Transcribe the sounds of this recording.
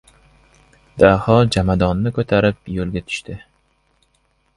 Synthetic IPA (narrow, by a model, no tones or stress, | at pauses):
d̪̥ahɒd͡ʒamad̪ɒnːɪkʰɵt̪ʰaɾɪp̚jolɡʲat̪ʰʊ̥ʃt̪ʰɪ